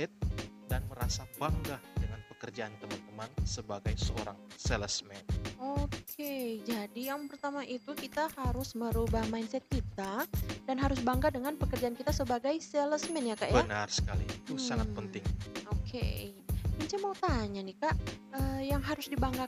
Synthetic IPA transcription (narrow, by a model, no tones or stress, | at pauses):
ɛt̪̚danməɾa̰sabaŋɡadəŋanpəkərd͡ʒaʔant̪əmant̪əmansəbaɡajsəo̰ɾa̰ŋsɛləsmɛnokʰed͡ʒadijaŋpərt̪amaʔit̪ukit̪ahaɾʊsməɾubahmajnsɛt̪̚kit̪adanɦaɾʊsbaŋɡadəŋanpəkərd͡ʒaʔankit̪asəbaɡajsɛləsmɛnjakaʔjbənarsə̥kalḭt̪usaŋat̪̚pənt̪ɪŋokʰḛ | əɲt͡ʃamawt̪aɲanɪkaʔəːjaŋɦaɾʊsdibaŋɡa